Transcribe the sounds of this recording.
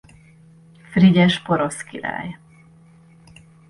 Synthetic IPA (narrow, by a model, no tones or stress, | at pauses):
friɟɛʃpoɾoskiɾa̰ːj